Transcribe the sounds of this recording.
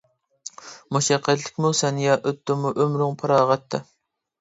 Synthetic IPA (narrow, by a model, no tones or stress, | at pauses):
muʃɛqʰːæt̪lɪ̥kʲmusɛnjɑʔøt̪ːɪmuʔømɾyŋpʰɑɾɑːʁɑt̪ʰːɨ